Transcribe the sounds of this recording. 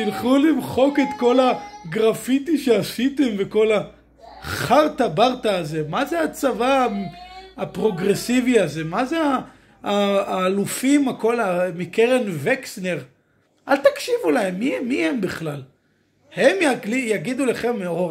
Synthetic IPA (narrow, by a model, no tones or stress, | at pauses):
tilχulimχo̞ke̞t̪ko̞laɡʁafit̪iʃeasit̪e̞mveko̞la | χaʁt̪abaʁt̪aːze̞mazeat͡savamapʁo̞ɡʁe̞siviaze̞mazeaː | lufimako̞lamikeʁenveksneʁ | ʔalt̪akʃivulaemːimːihembiχlal | he̞mjaɡijaɡid̪uleχe̞mːeo